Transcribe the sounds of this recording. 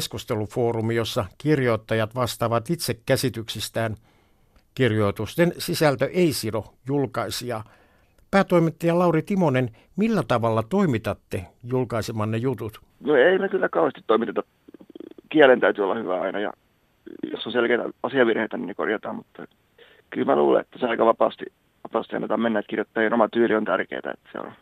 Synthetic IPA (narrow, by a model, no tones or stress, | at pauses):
skust̪elufoːrumijosːɑkirjoit̪ːɑjɑt̪ʋɑst̪ɑːʋɑt̪it̪sekkæsit̪yksist̪æːn | kirjoit̪ust̪ensisælt̪øʔeisirojulkɑisiɑ | pæːt̪oimit̪ːejɑlɑurit̪imonen | milːæt̪ɑʋɑlːɑt̪oimit̪ɑt̪ːejulkɑisemɑnnejut̪ut̪ | noeimekylːækɑuhest̪i̥t̪t̪oimit̪et̪ɑ | kiælent̪æyt̪yolːɑhyʋæɑ̰inɑjɑ̰ | jo̰sːonselkeit̪æ̰ɑsiɑʋirheit̪ænineko̰rjɑt̪ɑːmmut̪ːɑ | kylmælṵːlḛ̃et̪ːæseɑikɑʋɑpɑ̰ːst̪i | ʋɑpɑːst̪iɑ̰nːet̪ɑmenːæet̪kirjot̪ːɑːjinomɑt̪yːliont̪ærkḛit̪æ̰ḛt̪ːsḛo̰n